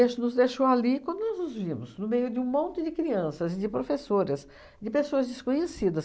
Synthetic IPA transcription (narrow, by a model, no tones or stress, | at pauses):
eʃʊnʊzd̪ejʃowalikɐ̃d̪ʊnɔznʊzvĩmʊznʊmejʊd͡ʒɪũmõnt͡ʃ̪ɪd͡ʒ̪ɪkɾiɐ̃sɐzɪd͡ʒ̪ɪpɾofesoɾɐs | d͡ʒ̪ɪpesoɐzd͡ʒ̪ɪskõɲesid̪ɐs